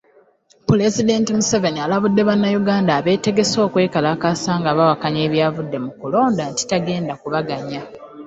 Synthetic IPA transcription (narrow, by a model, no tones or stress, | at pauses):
pule̞zide̞ntimuse̞ve̞nialaβudːe̞βanːajuɡaːndaːβe̞ːte̞ɡe̞so̞ːkwe̞ːkalakasaːŋɡaβawakaɲe̞ːβjaːvudːe̞mukulo̞ːndanti̥taɡe̞ːndakuβaɡaɲa